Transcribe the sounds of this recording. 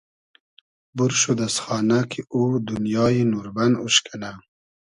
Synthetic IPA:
buɾʃud̪asxɑːnakʰiʔud̪unjɑːjinuɾbanuʃkʰana

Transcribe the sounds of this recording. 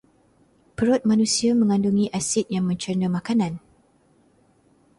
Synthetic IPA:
pəɾɔt̪̚manũsiamə̃ŋãnduŋĩʔasit̪̚jaŋmə̃ɲt͡ʃərnəmakanãn

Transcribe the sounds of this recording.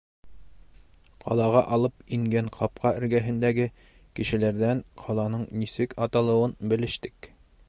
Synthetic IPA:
qʰɒ̰lˠɑʁɑʔɒlˠɤpiŋɡæɴqʰɑp̚qɑɘ̆ɾɡæɦɘ̆nd̪æɡɘ | kɘ̆ʃɘ̆læɾd̪æɴqʰɒlˠɑnɤɴnisɘkɒt̪ɑlˠɤ̆wɤnbɘ̆lɘ̆ʃt̪ɘk

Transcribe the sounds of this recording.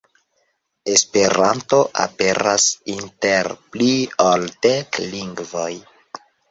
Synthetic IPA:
e̞spe̞ɾanto̞ʔa̰pe̞ɾasinte̞ɾplioltekliŋɡvoj

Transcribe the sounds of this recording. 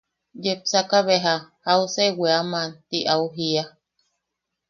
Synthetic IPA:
d͡ʒepsakaβeɦahauseweamãnt̪iʔauɦia

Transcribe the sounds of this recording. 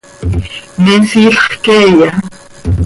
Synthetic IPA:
nesiɬχkeja

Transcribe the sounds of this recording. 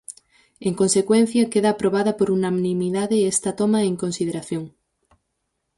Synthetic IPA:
eŋkonsekwen̟θjɐkeðɐːpɾoβaðɐpoɾunamnĩmiðaðeest̪ɐt̪omɐeŋkonsið̞eɾaθjoŋ

